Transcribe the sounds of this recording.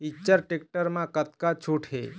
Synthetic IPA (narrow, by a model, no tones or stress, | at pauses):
it͡ɕt͡ʃːəɾʈek̚ʈəɾmãkət̪kat͡ʃʰuʈʰɦḛ